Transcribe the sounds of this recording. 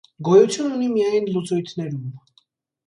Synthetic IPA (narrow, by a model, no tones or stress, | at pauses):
ɡɔjut͡sʰjununimiajnlut͡sɔjt̪ʰnɛɾum